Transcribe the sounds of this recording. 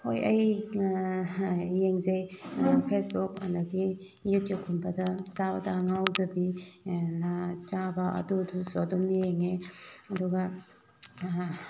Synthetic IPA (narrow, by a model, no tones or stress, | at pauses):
hojɐj | jeŋzejpʰesbukɐ̰ndɐɡi | jutjup̚kʰunbɐdɐt͡ʃabɐdɐŋawzɐbinat͡ʃabɐɐ̰dudusodumijeŋeɐduɡɐ